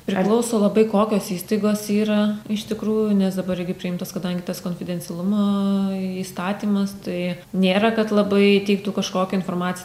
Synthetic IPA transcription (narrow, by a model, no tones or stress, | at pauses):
pʲɾʲɪklˠɐʊsoːlˠɐbɐɪkoːkʲoːsiːst̪ɐɪɡoːsiːɾɐɪʃt̪ʲɪkɾuːjʊnʲɛsd̪ɐbɐrɪɡʲɪpʲɾʲɪɪmt̪oːskɐd̪ɐŋʲɡʲɪt̪ɐskoːnʲfʲɪdʲɛnʲsʲɛlˠʊmoːiːst̪ɑːt̪ʲiːmɐst̪ɐɪ | nʲeːɾɐkɐt̪lˠɐbɐɪt̪ʲɛɪk̚t̪uːkɐʃkoːkʲɛɪnfoːrmɑːt͡sʲɪ